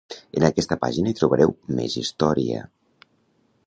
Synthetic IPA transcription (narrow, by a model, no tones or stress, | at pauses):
ənakɛst̪əpa̰ʒinait̪ɾuβəɾɛwmḛzist̪ɔɾiə̰